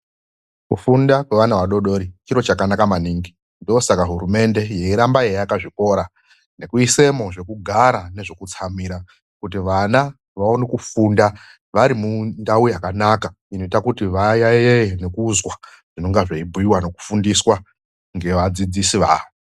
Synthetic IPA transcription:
kufundakwe̞ʋanaʋaɗo̞ɗo̞ɾit͡ʃiɾo̞t͡ʃakanakamaniːŋɡi | ndoosakaɦuɾume̞nde̞je̞iɾambajejakaʐiko̞ɾa | ne̞kuise̞mo̞ʐe̞kuɡʱaɾane̞ʐe̞kut͡sʰamiɾa | kut̬iʋana | ʋaonekufunda | ʋaɾimundaujakanaka | ino̞itakutiʋajajejene̞kuːzwa | ʐ̥ino̞ŋɡaʐaibʱujiwano̞ku̥fundiswa | ŋɡe̞ʋad͡zid͡zisiʋa̰ːʋo

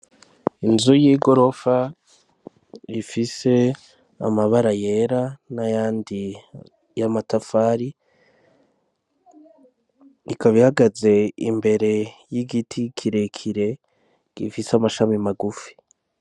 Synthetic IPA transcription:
inzujiːɡo̞ɾo̞fa | ifise̞ | a̰maβaɾaje̞ɾanajaːndi | jamatafaːɾi | ikaβihaɡaze̞ḭmbe̞ɾe̞jiɡitʰikʰiɾe̞kʰiɾe̞ | ɡ̥ifisamaʃamimaɡufi̥

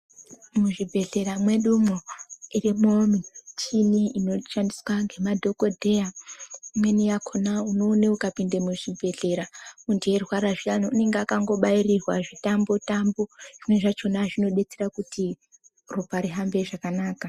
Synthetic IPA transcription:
muʐibʱe̞ɮe̞ɾamwe̞ɗumoirimomit͡ʃʰiniino̞ʃandiswaŋɡe̞madʱo̞ko̞dʱe̞jamwe̞nijakʰonauno̞ːneukapindemuʐibʱe̞ɮe̞ɾaundierwaɾaʐianoune̞ŋɡeakaŋɡo̞ɓairirwaʐitambo̞tamboʐ̥imweʐat͡ʃo̞naʐino̞ɗe̞t͡seɾakuti | rupaɾiɦambe̞ʐakanaːka

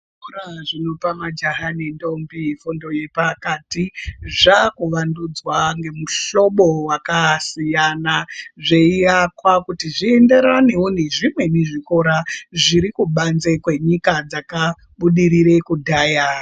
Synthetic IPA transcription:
oraʐino̞pamad͡ʒaɦanendo̞mbifundo̞je̞pakatiʐakuʋandud͡zwaŋɡe̞muɬo̞ɓo̞wakasijanaʐe̞iakwakutiʐiende̞ɾane̞woneʐimwe̞neʐiko̞ɾaʐiɾikuɓanze̞kwe̞ɲikad͡zaka | ɓuɗiɾiɾe̞kudʱaːja

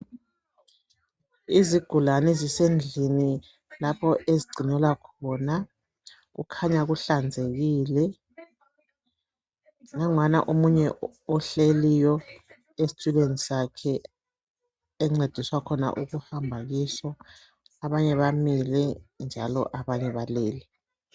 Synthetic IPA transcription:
iziɡ̥ʱulanɛzisend͡ɮʱini | lapʰɔʔeziɡ͡ǀʱinɛlwakʰɔna | ɣṵkʰaɲaɣuɬand͡zʱeɣiːlɛ | ŋaŋwana̰ʔomuɲɛ | ɔɬelijɔ | esi̥tʰʼulenisakʰɛ | ɛŋ͡ǀed̥ʱiswakʰɔna̰ʔuɣuhambʱaɣisɔ | aβaɲɛβamilɛnd͡ʒʱa̰lɔ̰ʔaβaɲɛβaleːli

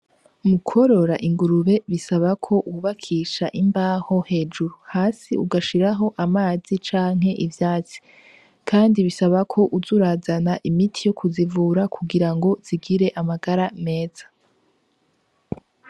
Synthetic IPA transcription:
umukʰo̞ɾo̞ɾaʔiŋɡuɾuβe̞βisaβakʰo̞ʔuβakʰiːʃaʔimbaːho̞he̞ːd͡ʒuɾuhaːsiʔuɡaʃiɾaɦo̞ʔamaːzit͡ʃaːŋ̥he̞ʔivjaːt͡si̥ | kʰaːndiβisaβakʰo̞ʔuzuɾaːzanaʔimitʰijokʰuzivuːɾakʰuɡiɾaŋɡo̞z̥iɡiɾe̞ʔamaɡaɾame̞ːz̥ḁ

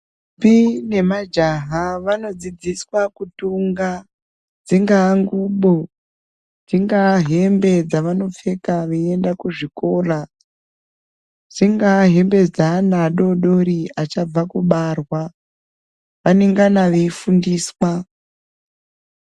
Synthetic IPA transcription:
pine̞mad͡ʒaɦaʋano̞d͡zid͡ziswakutuŋɡa | d͡ziŋɡaːŋɡuɓo | d͡ziŋɡaɦe̞mbe̞d͡zaʋano̞fe̞kaʋeiendakuʐiko̞ːra | d͡ziŋɡaɦe̞mbe̞d͡zanaɗo̞ɗo̞ɾiat͡ʃab͡vakuɓarwa | ʋaneŋɡanaʋeifundiːswa

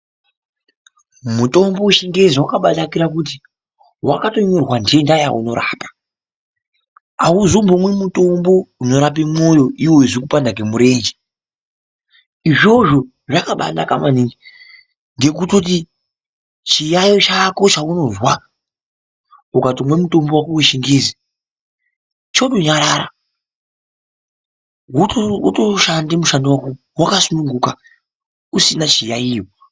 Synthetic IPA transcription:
muto̞mbo̞uʃiŋɡeziwakaɓatakiɾak̬ut̬i | wa̰kato̞ɲo̞rwandiendajaṵno̞ɾa̰ːpḁ | auzombomwemuto̞mbo̞uno̞ɾap̬imo̞jo̞ʔiwoiʐikupandak̬emuɾe̞ːnd͡ʒe | iʐo̞ʐo̞ | ʐakaɓa̰na̰kamaniŋɡi | nɡekutot̬i | t͡ʃijajot͡ʃako̞t͡ʃauno̞zwa | ukatimwemuto̞mbowakuweʃiŋɡezi | t͡ʃoɗoɲaɾaɾa | utoʃandemuʃandewako | wakasunuŋɡuka | usinat͡ʃijaijo

